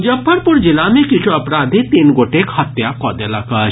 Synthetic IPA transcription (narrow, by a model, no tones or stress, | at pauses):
d͡ʒɐbʰɐɾpʊɾd͡ʒilamẽkɪt͡ʃʰuɐpɾaːd̪ʱit̪inɡoʈekhɐt̪jakɔd̪elaka